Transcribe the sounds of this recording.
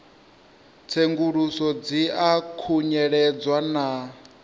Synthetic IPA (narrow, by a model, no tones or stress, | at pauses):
t͡sʰeŋɡuɺusɔd͡ziakʰuɲɛɺɛd͡zwana